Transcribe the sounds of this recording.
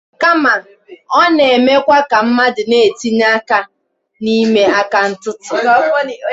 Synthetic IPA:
ka˦ma˨ | ɔ˦ne˨e˨me˦kʷa˦ka˨m̩˦ma˦dɪ˨ne˦˨e˨ti˦n˦a˦ka˦ | ni˦me˦a˦ka˦n̩˦tʊ˦tʊ˨˦

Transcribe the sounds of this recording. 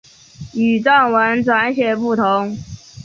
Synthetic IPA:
y˨˩ʈ͡ʂa˥˩nwə˧˥nʈ͡ʂwa˧˥nɕjɛ˨˩pu˥˩t̪ʰo˧˥˦ŋ

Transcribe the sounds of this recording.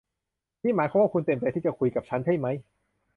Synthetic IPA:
niː˥˩maː˨˦jkʰa˧˥waː˥˩ku˧nt̪e˧p̪t̪e˧t̪ʰiː˥˩t͡ɕa˨˩kʰu˧jka˨˩p̚t͡ɕʰa˦˥nt͡ɕʰa˥˩jma˦˥j

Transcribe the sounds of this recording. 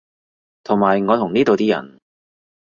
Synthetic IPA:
t̪ʰʊ˨˩ŋmaː˨˩jŋɔː˨˧t̪ʰʊ˨˩ŋniː˥t̪o˨wt̪iː˥jɐ̰˨˩n

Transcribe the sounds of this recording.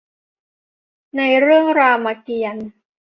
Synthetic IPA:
na˧jɾɯ˥˩əŋɾaː˧wma˧ki˧ən

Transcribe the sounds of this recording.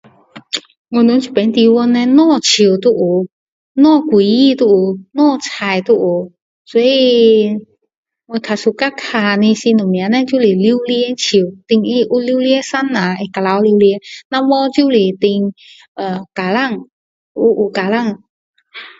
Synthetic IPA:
ŋɔ˧nũ˧˦t͡ɕʰi˨˩pɛ˨˦nt̪i˧wɔ˧nɛ̃˧nɔ̃˧˥˨t͡ɕʰi˨˩wt̪u˧ʔu˨˩ | nɔ̃˧˥˨kwi˨˦ji˧˨t̪u˧u˨˩nɔ̃˥˨t͡sʰa˨˩jt̪u˧ʔu˨˩ | sɔ˧˦˥i˧ | ŋe˧kʰa˨˩su˧ka˦kʰa˧˩nĩ˧si˧nũ˨mĩ˧˨a˨˦nɛ̃˧˦t͡ɕu˦li˨˩li˧˦wli˧e˦t͡ɕʰi˨t̪i˧ŋʔi˧ʔu˧li˧˦wli˧˦sa˦˥nːã˨˩ʔe˧ka˧la˧˦wli˧wli˧˦nã˧wɔ˦t͡ɕu˦li˨t̪i˧ŋ | ʔə˨˩ka˨˩la˥˨ŋ | ʔu˧ʔu˨˩ka˨la˥˧˨ŋ

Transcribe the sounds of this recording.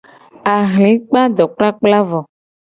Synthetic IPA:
a˨ɦlĩ˨˦k͡pa˦d̪ɔ˨k͡pla˦k͡pla˦vɔ˨

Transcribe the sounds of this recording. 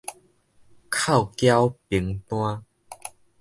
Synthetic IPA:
kʰa˥˨wkja˦wpi˨˩˦ŋt̪w̃ã˦

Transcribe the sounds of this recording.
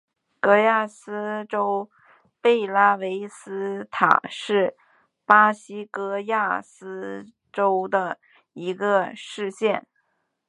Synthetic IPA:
kɤ˧˥ja˥˩sɹ̩˥ʈ͡ʂo˥ʊ | pe˥˩ɪla˥we˧˥ɪsɹ̩˥t̪ʰa̰˨˩ʂɻ̩˥˩ | pa˥ɕi˥kɤ˥ja˥˩sɹ̩˥ | ʈ͡ʂo˥ʊd̪ə˨ | i˧˥ɡə˧ʂɻ̩˥˧ɕjɛ˥˩n

